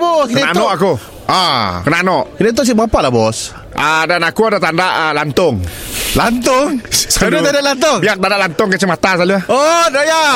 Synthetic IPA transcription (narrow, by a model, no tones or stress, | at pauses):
bɔkkent̪nɔʔaku | akənanɔʔkinet̪̬ʊʔs̬ibapaʔlabɔs | ədanakuadat̪andaʔəlant̪ʊŋlant̪ʊŋsadut̪andaʔlant̪̬ʊŋbiak̚t̪andaʔlant̪ɔŋkət͡ʃəmat̪asaluahɔdaja